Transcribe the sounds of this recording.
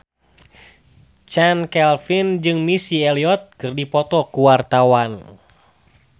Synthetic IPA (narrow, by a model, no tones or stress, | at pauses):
t͡ʃankɛlfind͡ʒɨŋmisiɛliɔt̪̚kɨrdipɔt̪ɔkuwart̪awan